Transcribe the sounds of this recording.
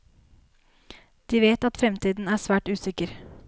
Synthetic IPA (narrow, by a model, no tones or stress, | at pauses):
d̪̥iːʋeːt̪ɑt̪fɾɛmt̪ʰiːd̪n̩æːsʋæːʈʉːsɪkəɾ